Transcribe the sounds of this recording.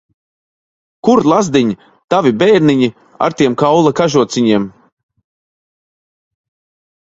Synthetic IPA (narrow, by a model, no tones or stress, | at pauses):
kuɾlˠazd̪iɲi | t̪avibɛjɾniɲi | a̰ɾt̪iɛmkawlˠakaʒuɔt̪sʲiɲiɛm